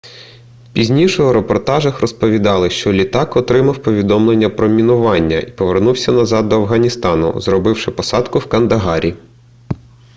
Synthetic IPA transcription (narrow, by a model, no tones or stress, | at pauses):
pʲizʲnʲiʃɔɔɾepɔrt̪ɑʒɐxrɔspɔʋʲid̪ɑlˠɪʃt͡ʃɔlʲit̪ɑkɔt̪ɾɪmɐwpɔʋʲid̪ɔmlˠenʲːɐpɾɔmʲinʊʋɑnʲːɐ̰ʔipɔʋernuwsʲɐnɐzɑd̪ːɔɐwɦɐnʲist̪ɑnʊ̰zrɔbɪwʃɪpɔsɑd̪kʊwkɐnd̪ɐɦɑɾʲi